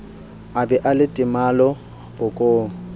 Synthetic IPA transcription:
abɛʔalɪtʼɪmalɔ | b̥ʊkʼoː

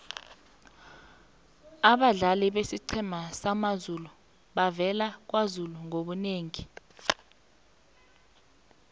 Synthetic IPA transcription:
aɓaɮaliɓesiǀʰɛmasamazulu | ɓavɛlak̬wazuluŋoɓuneːŋi

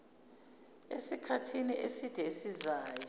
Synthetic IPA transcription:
esikʰatʰiniʔesid̥ʱɛisizaːjɔ

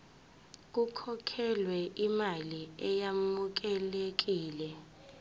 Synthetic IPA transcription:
k̬ukʰɔkʰɛlwɛʔimaliɛjamuk̬ɛlek̬iːlɛ

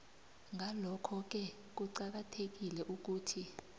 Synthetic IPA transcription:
ŋalɔkʰɔk̬ɛ | k̬uǀak̬atʰek̬ilɛʔuk̬uːtʰi

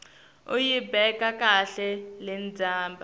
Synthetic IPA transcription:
ujibɛkakaɬɛlɛnd͡zʱaːmba

